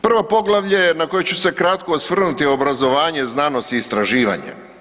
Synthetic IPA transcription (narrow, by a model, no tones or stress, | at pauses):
pr̩ʋapo̞ɡlˠaʋʎanako̞jet͡ɕuse̞kɾat̪koːsʋr̩nut̪iobɾazo̞ʋaːɲe̞znaːno̞st̪iːst̪ɾaʒiːʋa̰ɲḛ